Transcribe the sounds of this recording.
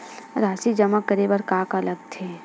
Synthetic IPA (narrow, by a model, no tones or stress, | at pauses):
ɾaːsid͡ʒəməkːəɾeːbəɾkaːkələɡ̚t̪ʰeː